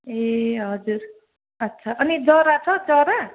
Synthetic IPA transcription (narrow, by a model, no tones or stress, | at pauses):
eɦʌd͡zuɾ | ʌtːsʰaʔʌnid͡zʌɾat͡sʰʌd͡zʌɾa